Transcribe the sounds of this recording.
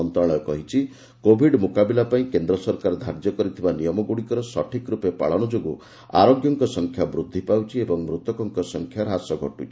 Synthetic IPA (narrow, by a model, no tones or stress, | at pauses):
ɔnt̪ɾɔɭɔjɔkɔ̰ɦit͡ʃʰi | kobʱiɖmukabilapaĩkend̪ɾɔsɔɾkaɾd̪ʱaɾd͡ʒjɔkɔɾit̪ʰibanijɔmɔɡuɽikɔɾɔsɔʈʰikɾupepa̰ɭɔɽ̃ud͡ʒoɡu | a̰ɾoɡjɔŋkɔsɔŋkʰjabɾud̪ʱːipawt͡ʃʰiebɔŋmɾut̪ɔkɔŋkɔsɔŋkʰjaɾɦasɔɡʱɔ̰ʈut͡ʃʰi